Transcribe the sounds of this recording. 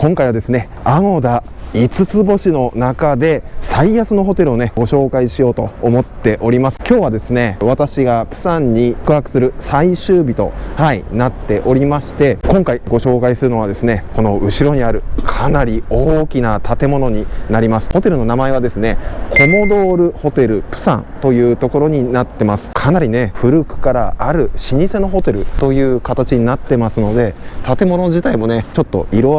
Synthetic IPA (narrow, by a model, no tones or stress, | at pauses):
kõ̞ŋkaiβad̪e̞sɨne̞ | aŋo̞d̪ait͡sɨt͡sɨbo̞ɕino̞nakad̪e̞saijasɨno̞ɦo̞t̪e̞ɾɯ̟o̞ne̞ɡo̞ɕo̞ːkaiɕijo̞ːt̪o̞ːmo̞t̪ːe̞ʔo̞ɾʲimasɨ̥kʲo̞ːβ̞ad̪e̞sɨne̞β̞at̪aɕiɡapɯ̟̥sãɲ̟ːikɯ̟ɦakɯ̟̥sɨɾɯ̟saiɕɨːbʲit̪o̞haḭnat̪ːe̞ʔo̞ɾʲimaɕi̥t̪e̞kõ̞ŋkaiɡo̞ɕo̞ːkaisɨɾɯno̞β̞ad̪e̞sɨne̞ko̞no̞ɯ̟ɕiɾo̞ɲ̟iaɾɯ̟kʰanaɾʲioːkʲinat̪ʰat̪e̞mo̞no̞ɲ̟inaɾʲimasɨ̥ho̞t̪e̞ɾɯ̟no̞namae̞β̞ad̪e̞sɨne̞kʰo̞mo̞d̪o̞ːɾɯ̟ho̞t̪e̞ɾɯ̟pɯ̟̥sã̰nt̪o̞jɯ̟ːt̪o̞ko̞ɾo̞ɲ̟inat̪ːe̞masɨ̥kʰanaɾʲine̞ɸɯ̟ɾɯ̟kɯ̟̥kaɾaʔaɾɯ̟ɕiɲ̟ise̞no̞ɦo̞t̪e̞ɾɯ̟̰t̪o̞jɯ̟ːkat̪at͡ɕiɲ̟inat̪ːe̞masɨno̞d̪e̞t̪at̪e̞mo̞no̞ʑit̪aimo̞ne̞t͡ɕo̞t̪ːo̞̰iɾo̞